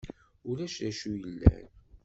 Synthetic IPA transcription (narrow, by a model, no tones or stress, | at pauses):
ʊɾæʃɾæʃujəlːæ̰n